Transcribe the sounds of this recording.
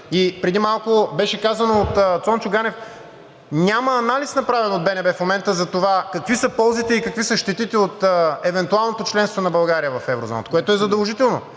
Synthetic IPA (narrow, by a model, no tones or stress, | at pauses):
ipɾɛd̪imalˠkobɛʃɛkazɐnoːt̪ət̪sɔnt͡ʃʊɡanɛf | nʲamɐːnalisnɐpɾavɛnod̪̚bɛnɛbɛfmomɛnt̪əzɐt̪ovakɐkvisəpɔlˠzit̪ɛikɐkvisəʃt̪ɛt̪it̪ɛot̪ɛvɛnt̪ualˠnot̪ot͡ʃlɛnst̪vonɐbɐlˠɡaɾiəvɐfɛvɾozɔ̰nət̪ə̥koɛt̪oɛzɐd̪əlˠʒit̪ɛlˠno